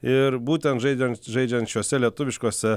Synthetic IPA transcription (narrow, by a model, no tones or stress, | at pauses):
ɪɾbuːt̪ʲɛnt̪ʒɐɪd͡ʒʲɛnʒɛɪd͡ʒʲɛnʃʲɛːsʲɛlʲiɛt̪ʊʋʲɪʃkoɔsʲɛ